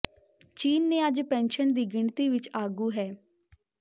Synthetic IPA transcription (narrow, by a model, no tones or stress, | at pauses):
t͡ʃiːnːẽːəd͡ʒpɛ̃ːnʃənd̪iːɡɪɳt̪iːʋɪt͡ʃaːɡuːɦɛː